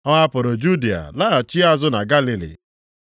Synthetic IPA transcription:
ɔ˦a˦pʊ˨ɾʊ˨d͡ʒu˦di˨a̰˨laː˦˨t͡ʃi˦a˦zʊ˦na˨ɡa˦li˨lḭ˨

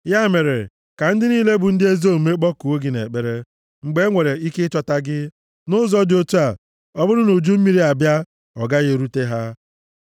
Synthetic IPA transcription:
ja˦me˨ɾe˨ | ka˨n̩˦dɪ˦niː˦le˦bʊ˨n̩˦dɪ˦e˦zo˦˨me˦k͡pɔ˦ku˨o˦ɡɪ˨nḛ˨k͡pe˨ɾe˦ | ŋ͡m̩˨ɡ͡be˦ŋʷe˨ɾe˨i˦ke˦t͡ʃa˨ta˦ɡɪ˦ | nʊ˦zɔ˦dɪ˨o˦tu˦a˨ | ɔ˦bʊ˦ɾʊ˦no˨d͡ʒu˦m̩˦mi˦ɾi˦a˨bja˦ | ɔ˨ɡa˦ɣe˨ɾu˦te˦ɦa˦

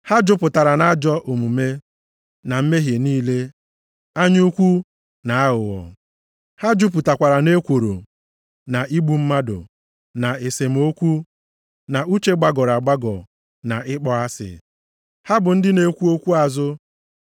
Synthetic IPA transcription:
ha˦d͡ʒʊ˦pʊ˨ta˨ɾa˨na˦d͡ʒɔ˦ʔo˨mu˨me˦ | na˨m̩˦me˦ɦje˨niː˦le˦ | a˦ɲ˦u˦kʷu˦ | na˨a˦ɦʊ˨wɔ̰˨ | ha˦d͡ʒʊ˦p̬ʊ˨ta˨kʷa˨ɾa˨ne˦kʷo˨ɾo̰˨ | na˨i˦ɡ͡bu˨m̩˦ma˦dʊ̰˨ | na˨e˨se˨m̩˨o˦kʷu˦ | na˨u˦t͡ʃe˦ɡ͡ba˦ɡɔ˨ɾa˨ɡ͡ba˦ɡɔ˨ | na˨ɪ˦k͡pɔ˨a˦sɪ̰˨ | ha˦bʊ˨n̩˦dɪ˦ne˦kʷu˦o˦kʷu˦a˨zʊ˦

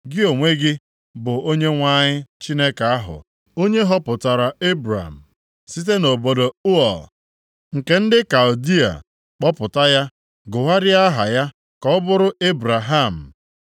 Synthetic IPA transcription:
ɡɪ˦o˨ŋʷe˦ɡɪ˦ | bʊ˨o˦ɲe˦ŋʷa˦˨ɲɪ˦t͡ʃi˦ne˦ka˨a˦ɦʊ̰˨ | o˦ɲe˦ɦɔ˦pʊ˨ta˨ɾa˨e˦bɾa̰˨m̩˨ | si˦t̬e˦no˨bo˨do˨u˦ɔ˨l | ŋ̩˨ke˨n̩˦dɪ˦ka˨ldi˦a̰˨ | k͡pɔ˦pʊ˨ta˦ja˦ | ɡʊ˨ɦa˦ɾɪ˦a˦ɦa˨ja˦ | kɔ˨ʊ˦bʊ˦ɾʊ˦e˦bɾa˨ɦa˦˨m̩˨

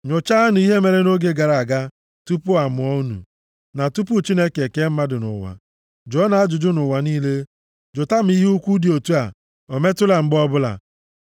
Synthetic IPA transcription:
ɲʊ˨t͡ʃa˦nʊ˨i˦ɦe˦me˨ɾe˦no˦ɡe˦ɡa˨ɾa˨a˨ɡa˦ | tu˦pʊ˦a˨mʊ˨ɔ˦u˦nṵ˨ | na˨tu˦pʊ˦t͡ʃi˦ne˦ke˨ke˦m̩˦ma˦dʊ˨nʊ̰˨wa̰˨ | d͡ʒɔ˦na˨a˦d͡ʒʊ˨d͡ʒʊ˦nʊ˨wa˨niː˦le˦ | d͡ʒo˨ta˦m̩˦i˦ɦu˦kʷu˦di˨o˨tu˦a˨ | o˨me˦tʊ˦la˨ŋ͡m̩˦ɡ͡bɔ˦bʊ˦la̰˨

